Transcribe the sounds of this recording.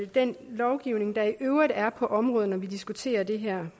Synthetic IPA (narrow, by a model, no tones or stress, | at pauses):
d̥enlɒʊɡ̥iʊne̝ŋd̥ɑ̈iʔøʊʁid̥æɐpʰɒ̽ʔɒ̽mʁɔ̽ːð̩ˠnɒʋid̥isɡ̥ut͡sʰe̝̰ːɐd̥e̝ɦæɐ̰